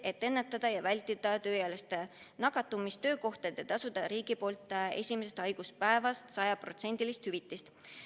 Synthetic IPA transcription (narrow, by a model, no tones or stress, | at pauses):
e̞t̪ːˑenːet̪ːˑɑd̪̥ɑjɑvælʲt̪id̪ɑt̪ø̞ːjæːlest̪e | nɑɡɑt̪ːˑumist̪ø̞ːko̞ht̪ɑet̪ːˑet̪ɑsud̪ɑɾiːɡ̥ipo̞ːlt̪ːˑe̞̰sʲimese̞st̪ɑjɡ̥uspæevɑst̪sɑjɑpro̞t̪se̞nʲd̪̥ilist̪hyvit̪ːˑist̪